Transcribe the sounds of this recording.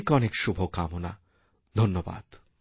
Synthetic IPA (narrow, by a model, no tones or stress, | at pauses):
kɔnekʃubʱokamona̰ | d̪ʱonːoba̰d̪̥